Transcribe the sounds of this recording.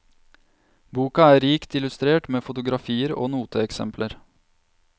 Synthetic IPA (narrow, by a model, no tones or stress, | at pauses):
buːkɑæːɾiːkt̪ɪlʉst̪ɾeːʈmeːfʊt̪ʊɡɾɑfiːəɾo̰ːnuːt̪ʰəɛksɛ̰mpʰləɾ